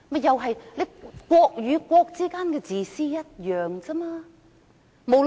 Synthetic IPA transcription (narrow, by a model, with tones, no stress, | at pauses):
mɐ˨˧jjɐ˨wɦɐ˨jle˨˧˥kʷɔː˧k̚jyː˨˧kʷɔː˧k̚t͡siː˥kaː˥nkɛː˧t͡siː˨siː˥jɐ˥t̚jœː˨˩ŋt͡si˥maː˧˥ | mo˨˧w